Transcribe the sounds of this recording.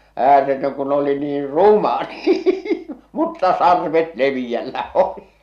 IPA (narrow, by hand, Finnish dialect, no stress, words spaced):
æːretøn kun oli niːr rumɑ niː mutːɑ sɑrʋet leʋij̆ælːæ oli